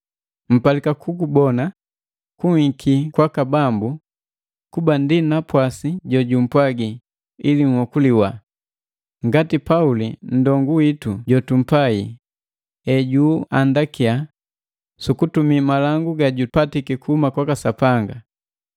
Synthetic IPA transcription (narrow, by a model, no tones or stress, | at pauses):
m̩palikakʰukubɔna | kuŋikʰikwakabambu | kubandinapwasiɟɔɟum̩pwaɡi | iliŋ̩hɔkuliwa | ŋɡatipaulin̩dɔŋɡuwituɟɔtum̩paḭ | ɛɟuːandakia | sukutumimalaŋɡuɡaɟupatikikuhumakwakasapaŋɡa